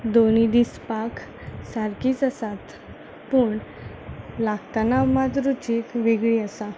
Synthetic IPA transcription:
d̪onid̪ispak | saɾkiːt͡səsat̪ | puɳ | laɡt̪anamat̪ɾut͡ɕikʋeɡɭiəsa

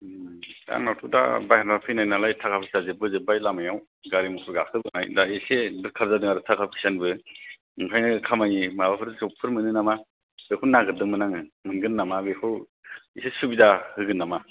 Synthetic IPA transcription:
a̰ŋnawtʰuda̰bajaɾnapʰɯjnajnalajtʰakʰap̚ʰiksazɯbɯzɯbajlamajaw | ɡaɾimɔpʰɯɾɡakʰɯbɯnajdaesedɯɾkʰaɾzadɯŋaɾɯtʰakʰap̚kʰi̥sanbɯ | ɯŋkʰajnɯkʰamajnimabapʰɯɾdsɔpʰɯɾmɯnɯnama | bekʰunaɡɯɾdɯŋmɯnaŋɯmɯnɡɯnːamabekʰɯw | isesubidahɯɡɯnːama

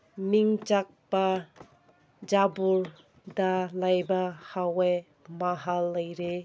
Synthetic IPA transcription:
miŋt͡ʃak̚ba | d͡ʒabuɾ | dalajbahawej | maɦalːəjɾe

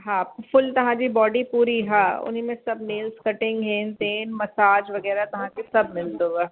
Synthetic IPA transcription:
ɦãp̚fʊlt̪ɐɦãd͡ʒibɔːɖipuːɾiɦãʊ̰nɦimẽsɐbneːlskɐʈɪ̃ŋɡɦɛ̃nt̪eːnmɐsaːd͡ʒʋɐɡɛːɾat̪ɐɦãkesɐb̚mɪld̪oɡaː

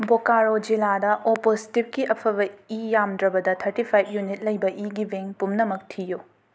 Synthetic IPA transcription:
bokaɾod͡ʒiladɐʔoposi̥tip̚kiʔɐpʰɐβɐijamdɾɐbɐdɐtʰɐɾtipʰajp̚ʰjunit̚lɐjbɐʔiɡibeŋpumnɐmɐk̚tʰiju

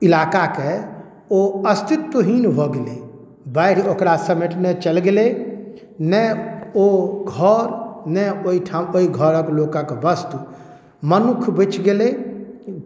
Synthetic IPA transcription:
ilakake | oəst̪it̪ːəɦinbʱoɡele | bəɪɾokɾasəmeʈnet͡ʃəlɡele | nɛoɡʱɔɾnɛoiʈʰamoiɡʱɔɾəklokə̃kbəst̪u | mənukʰbət͡ʃɡele

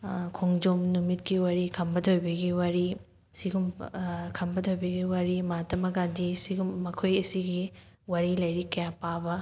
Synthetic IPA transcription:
kʰoŋd͡ʒomnumitkiwaɾikʰɐmbɐtʰojbɐɡiwɐɾi | siɡumkʰɐmbɐtʰojbɐɡiwɐɾimatɐmɐɡadisiɡumːɐkʰojɐsiɡi | waɾilɐjɾikɐjapabɐ

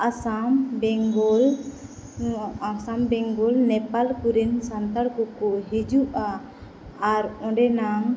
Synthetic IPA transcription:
asambɛŋɡɔl | asambɛŋɡɔlnɛpalkuɾɛnsant̪aɽkɔkɔʔɦed͡ʒuʔaː | ɾɔ̃ɖɛnaŋ

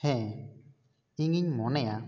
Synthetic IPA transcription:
hɛ̃ | iŋiɲmɔnea

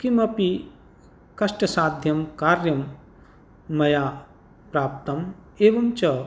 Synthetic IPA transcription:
kimɐpi | kɐʂʈɐsaːd̪ʱjɐmkaːɾjɐmː | ɐjaː | pɾaːp̚t̪ɐm | eːʋɐmt͡ʃɐ

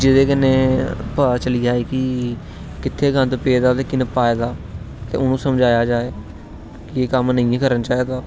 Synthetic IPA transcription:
d͡ʒɪd̪eːkɪneːpaːt͡ʃəliːd͡ʒaːiːkɪ | kɪt̪ʰːeːkə̃nt̪peːd̪aːt̪eːkɪnəpaːjd̪aː | t̪ḛːʊnũːsəmd͡ʒaːjaːd͡ʒaːeː | kɪeːkəmnəĩːẽːk̬əɾənt͡ʃaːiːd̪aː

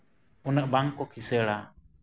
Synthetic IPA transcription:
unəʔbaŋkɔkʰisəɽa

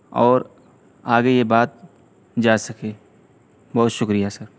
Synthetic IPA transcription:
ɔːɾ | aːɡejebaːt̪̚ | d͡ʒaːsɐkeː | bɔɦːt̪ʃʊkɾijasɐɾ

